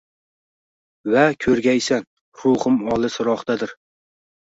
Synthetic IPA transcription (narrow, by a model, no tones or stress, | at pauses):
vakʲʰɵɾɡʲajsan | ɾʊhɨmɒlˠɨsʊɾɒχt̪ad̪ɪɾ